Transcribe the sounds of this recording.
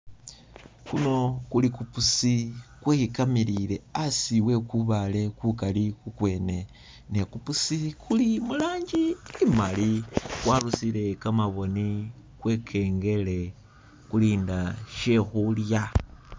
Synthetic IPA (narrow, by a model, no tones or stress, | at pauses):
kuno̞kulikupusikweːhikamiɾile̞asiwe̞kuβale̞kukalikukwe̞ːne̞ | ne̞kupusikʰulimulaːɲɟiimalikwaːlusile̞kamaβo̞ni | kwe̞ːkʰe̞ːŋɡe̞le̞ | kuliːndaʃe̞xulja